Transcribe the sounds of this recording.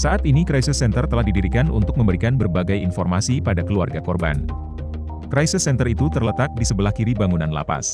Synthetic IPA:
saʔat̪inikɾajsɪsːɛnt̪ərt̪əlahdidiɾikanʔṵnt̪ʊk̚məmbəɾikanbərbaɡajinfɔrmasipadakəlua̰rɡakɔrba̰n | kɾajsɪsːɛnt̪ərit̪ut̪ərlət̪ak̚disəbəlahkiɾibaŋunanla̰pa̰s

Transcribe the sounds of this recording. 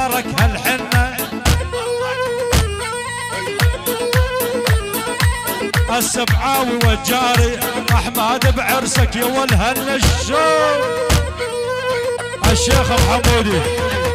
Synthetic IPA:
ɾˤɑkhalħɪnːa | ʔasːamʕaːwiwad͡ʒaːɾiʔaħmaːd̪abʕɪɾsakjawalɦanːaʃʃoː | ʔaʃːeːxalħamuːd̪i

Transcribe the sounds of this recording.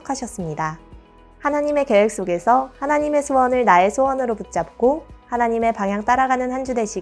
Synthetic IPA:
kʰaɕʰʌs͈ɯmɲida | hanaɲime̞ke̞wek̚s͈oɡe̞sʰʌhanaɲime̞sʰowʌnɯɭnae̞sʰowʌnɯɾoput̚t͡ɕ͈ap̚k͈ohanaɲime̞paŋɦjaŋt͈aɾaɡanɯnhand͡ʑude̞ɕʰiɡ

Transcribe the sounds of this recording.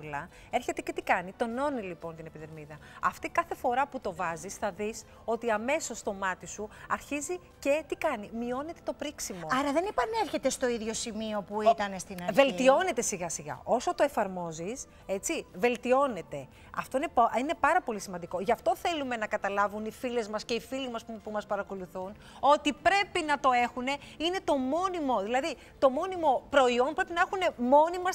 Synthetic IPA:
lɐ | e̞ɾçe̞t̪e̞ce̞t̪ikɐnit̪o̞no̞nilipo̞nt̪ine̞piðeɾmiðɐɐft̪ikɐθe̞fo̞ɾɐput̪o̞vɐzisθɐðis | o̞t̪iɐme̞so̞st̪o̞mɐt̪isuɐɾçizi | ce̞t̪ikɐnimio̞ne̞t̪e̞t̪opɾiksimoo̞ɐɾɐðenepɐne̞ɾçe̞t̪e̞st̪o̞iðʝo̞simio̞puit̪ɐnest̪inɐɾve̞lt̪io̞ne̞t̪e̞siɣɐsiɣɐ̰ʔo̞so̞t̪o̞e̞fɐɾmo̞zis | e̞t͡sive̞lt̪io̞ne̞t̪e̞ | ɐ̰ft̪o̞ine̞pine̞pɐɾɐpo̞lisimɐnd̪iko̞ʝɐft̪o̞θe̞lume̞nɐkɐt̪ɐlɐvunifile̞zmɐsce̞ifilimɐsupumɐspɐɾɐko̞luθun | o̞t̪ipɾe̞pinɐt̪o̞e̞xune̞ine̞t̪o̞mo̞nimo̞ðilɐði | t̪o̞mo̞nimo̞pɾo̞io̞npɾe̞pinɐexune̞mo̞nimɐ

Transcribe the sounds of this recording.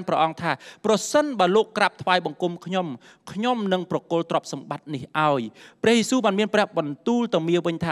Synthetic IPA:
nprɑʔɑŋt̪ʰaːprɑsənɓaəloːkːrap̚t̪ʰʋaːjɓɑŋkumkʰɲom | kʰɲomnɨŋprɑkoəlt̪rɔ̆əp̚sɑmɓat̪̚nihʔaɔjprɛ̆əhjesuːɓaːnmiənprɛ̆əhɓɑnt̪uːlt̪aəmiəʋɨɲt̪ʰaː

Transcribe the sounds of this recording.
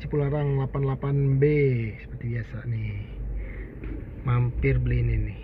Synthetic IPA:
sipulaɾaŋlapanlapanbesə̥pərt̪ibiasanɪ | mampɪrbəlininɪ

